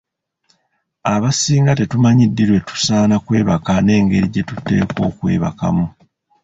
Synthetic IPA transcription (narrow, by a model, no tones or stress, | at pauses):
aβasiːŋɡate̞tumaɲidːiɾwe̞tu̥saːnakwe̞ːβakane̞ːŋɡe̞ɾiɟe̞tute̞̰ːko̞̰ːkwe̞̰ːβa̰ka̰mu